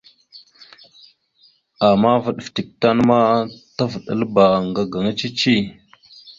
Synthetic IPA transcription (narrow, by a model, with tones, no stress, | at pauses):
a˨ma˦və˨ɗfti˨k̚ta˦nma˦ta˦və˨ɗə̰˦˨lə˦ba˨ŋɡa˨ɡa˨ŋa˦t͡ʃi˦t͡ʃi˦˨